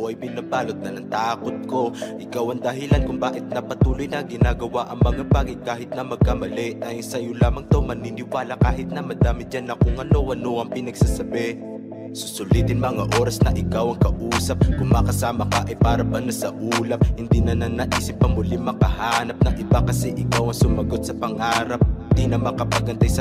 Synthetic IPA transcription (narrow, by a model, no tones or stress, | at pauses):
ʔɐjbɪnabaːlot̪̚nɐnɐŋt̪aːkot̪̚ko̞ʔɪkawɐŋd̪ɐɦɪlankʊŋbaːʔɪt̪̚nɐpɐt̪uːlojnɐɡɪnaɡɐwaʔɐŋmɐŋabaːɡɐjkaːɦɪt̪̚nɐmɐɡ̚kamɐlɛʔnɐjsɐjolaːmɐŋt̪owmɐninɪwaːlɐkaːɦɪt̪̚nɐmɐd̪aːmɪt̪̚d͡ʒanɐkoŋɐnowɐnoʔɐŋpɪnɐɡsasɐbɛ | sʊ̥sʊlit̪ɪnmɐŋaʔo̞ːɾɐsnɐʔɪkawɐŋkɐʔuːsɐp̚kʊŋmɐkɐsaːmɐkɐʔɐjpaːɾɐbɐnasɐʔuːlɐp̚hɪnd̪inɐnɐnɐʔiːsɪp̚ːɐmʊlimɐkɐhaːnɐp̚nɐŋʔɪbakɐsɛʔɪkawɐŋsʊmɐɡo̞d̪sɐpɐŋaːɾap̚nd̪inɐmɐkɐpaɡɐnt̪ajsɐ